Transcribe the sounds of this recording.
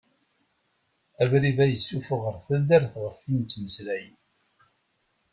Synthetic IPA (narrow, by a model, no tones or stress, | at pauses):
ævɾiðæjəsːufəʁəɾθæðdæɾθʁəfint͡s̪ːməslæjən